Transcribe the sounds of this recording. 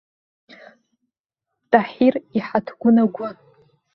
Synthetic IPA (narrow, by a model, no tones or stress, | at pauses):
tʼaħiriħatʰɡʷʊnaɡʷʊ